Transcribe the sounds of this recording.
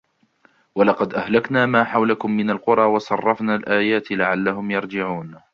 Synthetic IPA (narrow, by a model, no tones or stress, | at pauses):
wɑlɑqɑd̪ʔahlaknaːmaːħawlakʊmːɪnalqʊɾˤɑːwɑsˤɑrˤːɑfnaːlʔaːjaːt̪laʕalːaɦʊmjɑɾˤd͡ʒɪʕuːn